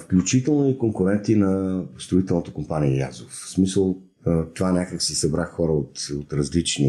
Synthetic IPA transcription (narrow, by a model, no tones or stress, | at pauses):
fklʲut͡ʃit̪ɛlˠnoikoŋkʊɾɛnt̪inɐst̪ɾoit̪ɛlˠnot̪okʊmpaniːlʲa̰zofsmisəlˠ | t̪ovanʲakəksisɐbɾaxɔɾəot̪ot̪ɾɐzlit͡ʃnḭ